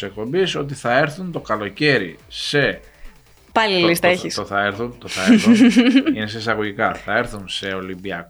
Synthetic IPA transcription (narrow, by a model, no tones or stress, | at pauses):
sek̚po̞mbiso̞t̪̬iθɐe̞ɾθunt̪o̞kɐlo̞ce̞ɾise̞ | pɐlilist̪ɐeçisoθɐeɾθunt̪oθɐ | ineseisɐɣo̞ʝikɐθɐe̞ɾθunse̞o̞limbiɐk